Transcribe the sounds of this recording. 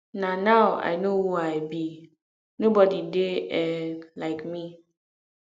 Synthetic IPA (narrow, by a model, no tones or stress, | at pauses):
nanawa̰jnowoajbi | nobɔdideɛlaɪkmi